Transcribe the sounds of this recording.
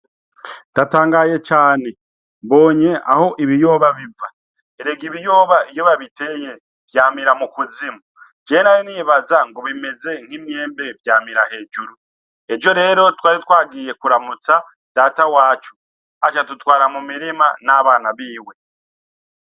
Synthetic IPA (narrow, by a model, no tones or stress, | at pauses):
d̥ataːŋɡaːje̞t͡ʃaːne̞ | mbo̞ːɲe̞ʔa̰ho̞ʔiβijo̞ːβaβiva | eɾeɡiβijo̞ːβaijo̞βaβite̞je̞ | vjaːmiɾamukuzimud͡ʒeːnajiniβazaŋɡo̞βime̞ze̞ŋ̥himɲe̞ːmbe̞vjaːmiɾahe̞ːd͡ʒuɾu | e̞d͡ʒo̞ɾe̞ːɾo̞twaːɾitwaːɡiːje̞kuɾamut͡sa | d̥aːtawaːt͡ʃu̥ | at͡ʃatutwaːɾamumiɾimanaβaːnaβiːwe̞